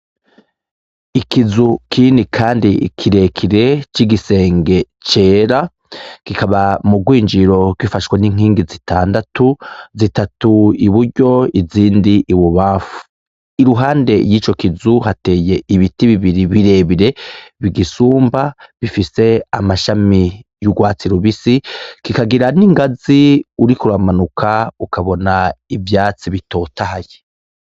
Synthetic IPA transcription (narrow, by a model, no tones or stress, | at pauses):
ikizukʰinikʰaːndikʰiɾe̞kʰiɾe̞t͡ʃiɡise̞ːŋɡe̞ | t͡ʃe̞ːɾa | kikaβamuɡwiːɲd͡ʒiɾo̞ɡ̥wifaʃweniŋ̥iːŋɡizitʰaːndatuzitatuiβuɾɟo̞iziːndiʔiβuβafu̥ | iɾuɦaːnde̞jiːt͡ʃo̞kizuɦate̞ːje̞iβitiβiβiɾiβiɾe̞βiɾe̞βiɡisuːmbaβifise̞a̰maʃamijuɡwaːt͡siɾuβisikikaɡiɾaniŋɡaziuɾikuɾamanukʰaukaβo̞naivjaːt͡siβito̞tahaje